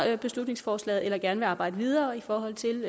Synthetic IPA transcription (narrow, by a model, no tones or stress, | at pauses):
b̥e̝slud̥neŋsfɒːslɛ̰ːð̩ˠelɐɡ̥æɐnəʋeɑ̈ːb̥ɑ̈ɪdəʋið̞ˠɐːifɒːɦɒ̽l̰t͡sʰe̝l